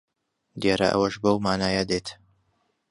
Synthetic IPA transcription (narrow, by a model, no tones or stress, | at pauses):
d̪jaːɾɐ̰ʔɐ̰wɐʃbɐwmaːnaːjad̪et̪